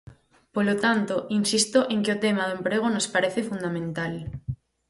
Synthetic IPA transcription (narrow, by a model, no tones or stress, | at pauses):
polot̪ant̪oʔinsist̪oʔeŋkeot̪emaðoempɾeɣ̞onospaɾeθefund̪amẽnt̪al